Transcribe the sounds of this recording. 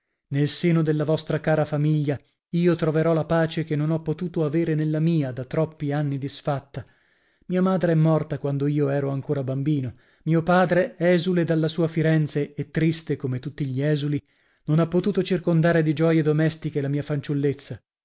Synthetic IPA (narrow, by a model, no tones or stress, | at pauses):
nelseːnod̪elːavɔst̪ɾakaːɾafamiʎːa | iːot̪ɾoveɾɔlapaːt͡ʃekenːonɔpːot̪uːt̪oaveːɾenelːamiːad̪at̪ːɾɔpːianːid̪isfat̪ːa | miːamaːd̪ɾeɛmːɔrt̪akwand̪oiːoɛːɾoaŋkoːɾabambiːno | miːopaːd̪ɾeɛzuled̪alːasuːafiɾɛnt̪seːt̪ːɾist̪ekomet̪ut̪ːiʎiɛːzuli | nonapːot̪uːt̪ot͡ʃirkond̪aːɾed̪id͡ʒɔjed̪omɛst̪ikelamiːafant͡ʃulːet̪sːa